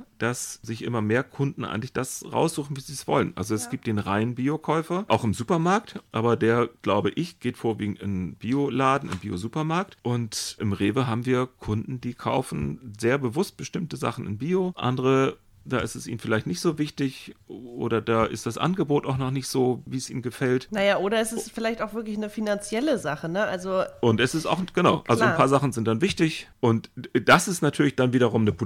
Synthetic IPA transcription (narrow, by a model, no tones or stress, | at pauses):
d̥asz̥ɪçʔɪmɐmeːɐkʰʊndn̩ʔa̰ɪŋklɪçd̥asʁa̰ʊsz̥uːχn̩viːziːsv̥ɔ̰lənʔa̰lzoɛsɡ̥iːp̚t̚d̥eːnʁaɪnənbiːokʰɔʏfɐʔaʊxɪmzuːpɐmaɐk̚tʔaːbɐdeːɐɡ̥laʊbəʔɪçɡ̥eːtfoːɐviːɡŋ̩tɪnb̥iːolaːdn̩ɪ̰mbiːo̰zuːpɐmaɐk̚tʔʊntʔɪmʁeːvəɦaːbm̩viːɐkʰʊndn̩diːkʰa̰ʊfn̩zeːɐbəvʊst̚b̥əʃtɪmtəza̰χn̩ɪ̰nbiːoʔa̰ndəʁə | d̥aːʔɪstɛsʔḭːnən̩fɪlaɪçtnɪçtz̥oːvɪçtɪçʔo̰ːɾɐdaːʔɪ̰std̥asʔa̰nɡəboːtaʊxnɔχnɪçtz̥oːviːsʔiːmɡəfɛltnajaːʔoːɾɐɪstɛsfɪlaɪçtaʊxfv̥ɪɐklɪçnəfinant͡sjɛləzaχənəʔalzoʔʊntɛsɪsta̰ʊxɡ̥ənaʊʔalzoanpʰaːɐzaχn̩zɪnt̚d̥anvɪçtɪçʔʊntd̥asɪstnatʰyːɐlɪçd̥anviːɾɐʁ̞ʊmnəp